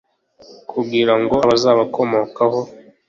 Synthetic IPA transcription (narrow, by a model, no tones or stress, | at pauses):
kʰubɡiːɾaŋɡo̞aβazaːβakʰo̞mo̞kaho